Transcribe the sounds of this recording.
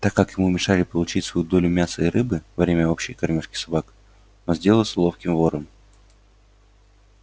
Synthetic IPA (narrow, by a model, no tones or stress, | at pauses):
t̪akːakjɪmumʲɪʂalʲɪpəlˠʊt͡ɕitʲsvɐjud̪o̞lʲʊmʲasəɪɾɨbɨvɐvɾʲemʲəo̞pɕːɪjkɐrmʲoʂkʲɪ̥sɐbak | nozʲdʲe̞lˠəlˠsəlˠo̞fkʲɪmvo̞ɾəm